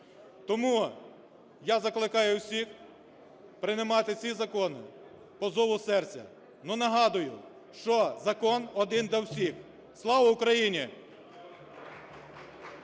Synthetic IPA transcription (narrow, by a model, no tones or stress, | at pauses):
t̪ɔmu | jazɐklˠɪkɑjʊwsʲix | pɾɪnɪmɑt̪ɪt͡sʲizɐkɔnɪ̰ | pɔzɔʋʊsɛrt͡sʲɐ̰ | nunɐɦɑd̪ʊjʊ | ʃt͡ʃɔzɐkɔnɔd̪ɪnd̪ɐwsʲix | slˠɑʋɐʊkɾɐjinʲi